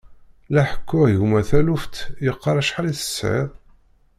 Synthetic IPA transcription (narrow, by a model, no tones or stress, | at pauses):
læħə̥kʰːʊʁjumæθæluft̪jəqːɑɾˤæʃħaliθə̥sʕɪ̰ðˤ